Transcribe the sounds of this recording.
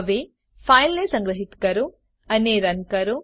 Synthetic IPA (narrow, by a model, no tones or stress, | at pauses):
ʋe | pʰaːjlːesɐŋɡɾɐɦit̪kɐɾu | ɐneːɾɐnkɐɾu